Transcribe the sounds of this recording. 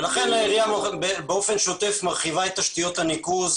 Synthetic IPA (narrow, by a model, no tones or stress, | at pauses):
laχenlaeʁiamabebeo̞fe̞nʃot̪e̞fmaʁχivaet̪aʃt̪ijo̞t̪anikuz